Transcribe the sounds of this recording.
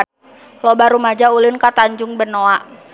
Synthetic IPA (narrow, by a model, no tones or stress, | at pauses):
lɔbaɾumad͡ʒaulɪnkat̪aɲd͡ʒʊŋbənoaʔ